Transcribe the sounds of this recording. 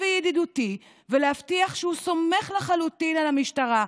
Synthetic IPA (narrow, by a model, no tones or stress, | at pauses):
vejediduti | velehaftiaχʃeuso̞me̞χleχalutinalamiʃtaʁa